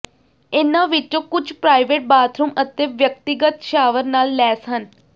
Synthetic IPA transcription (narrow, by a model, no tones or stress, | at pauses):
ɪnːãːʋɪt͡ʃːõːkʊd͡ʒpɾaːɪʋeːʈ̚baːt̪ʰɾũːmət̪eːʋjək̚t̪ɪɡət̪ʃaːʋəɾnaːlːɛːsɦən